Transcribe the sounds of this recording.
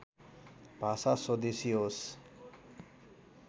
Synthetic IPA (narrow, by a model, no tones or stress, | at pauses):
bʱasasod̪esiɦos